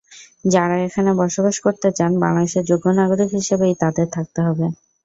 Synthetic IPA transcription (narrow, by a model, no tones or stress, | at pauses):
d͡ʑaɾaekʰanebɔɾʃobaʃkoɾt̪et͡ɕanba̰lad̪eʃeɾd͡ʑoɡːonaɡoɾikɦiʃebejt̪ad̪eɾt̪ʰak̚t̪eɦɔbe